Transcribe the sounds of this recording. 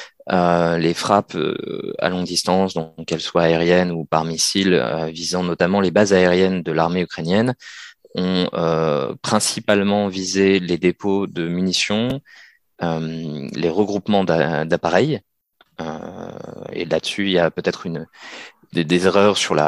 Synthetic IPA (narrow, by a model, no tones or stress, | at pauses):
ølefχapø̰a̰lɔ̃ɡd̪ist̪ɑ̃sd̪ɔ̃kɛlswaeʁjɛnupaʁmisilø̰vizɑ̃nɔt̪amɑ̃lebazaeʁjɛnd̪əlaʁmeykχenjɛn | ɔ̃øpχɛ̃sipalmɑ̃vizeled̪epod̪əmynisjɔ̃ | ømleʁəɡʁupmɑ̃d̪ad̪apaʁɛj | ø̰ | ḛlad̪əsyiljapøt̪ɛt̪χyn | d̪ed̪ezeʁœʁsyʁla̰